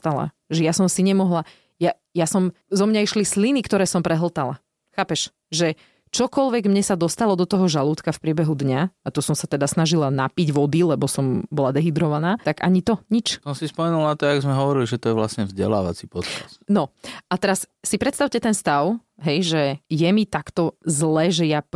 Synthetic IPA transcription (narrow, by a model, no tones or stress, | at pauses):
t̪ala̰ | ʒɛjasɔmsiɲɛmɔɦla | ja | jasɔm | zɔmɲaiʃlislinikt̪ɔɾɛːsɔmpɾɛɦl̩t̪ala̰ | xaːpɛʃ | ʒɛ | t͡ʃɔkɔlʋɛɡmɲɛsad̪ɔst̪alɔd̪ɔt̪ɔɦɔʒaluːt̪kafpɾɪɛbɛɦud̪ɲaat̪ɔsɔmsat̪ɛd̪asnaʒilanapiɟʋɔd̪ilɛbɔsɔmbɔlad̪ɛɦid̪ɾɔʋanaːt̪aɡa̰ɲit̪ɔɲit͡ʃsɔnsispɔmɛnulnat̪ɔaɡzmɛɦɔʋɔɾiliʒɛt̪ɔjɛʋlasɲɛvzɟɛ̰la̰ːʋa̰t͡sipɔt̪kasnɔʔat̪ɛɾassipɾɛt̪st̪aʊcɛt̪ɛnst̪aʊɦɛjʒɛjɛmit̪akt̪ɔzlɛːʒɛja